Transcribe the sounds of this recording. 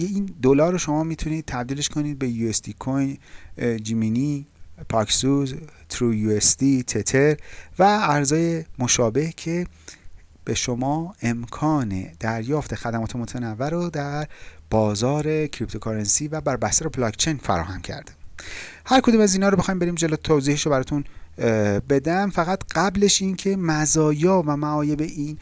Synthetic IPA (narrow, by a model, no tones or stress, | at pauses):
jeiːnd̪olɒːɾoʃo̞mɒːmiːt̪ʰuniːd̪̥̚t̪ʰæb̚d̪iːleʃkʰo̞niːd̪̚be̞juesd̪ikʰojnd͡ʒiminipʰɒksuzt̪ʰɾujuesd̪it̪ʰet̪ʰeɾvæːɾzɒːje̞mo̞ʃɒːbe̞hcʰe̞ | b̥eʃo̞mɒːe̞mkʰɒːnḛd̪̥æɾjɒːft̪e̞xæd̪æmɒːt̪ʰemot̪ʰænævːæɾod̪æɾb̥ɒːzɒːɾe̞cʰɾip̚t̪ʰokʰɑɾensiːvæbæɾbæhst̪æɾoblɒkt͡ʃʰejnfæ̰ɾɒ̰ːhæmcʰæ̰ɾd̪̥i̥mhæɾkʰo̞d̪umæziːnhɒːɾobe̞xːimbe̞ɾiːmd͡ʒe̞lot̪ʰoːziːhiʃobæɾɒːt̪ʰun | be̞d̪æmfæɣæt̪ɢ̥æble̞ʃincʰe̞mæzɒːjɒːvæmæɒːje̞beʔiːn